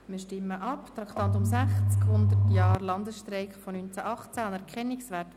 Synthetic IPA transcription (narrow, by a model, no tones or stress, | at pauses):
mɪːʃtɪmːəʔɑpt̪ɾɑkt̪ɑnt̪ʊmsæχt͡skhʊnd̪ərtjɑːɾlɑnd̪əsʃtɾɛɪkfonynt͡sæʔɑχt͡sæɑnɛɾkχɛnːɪksʋæt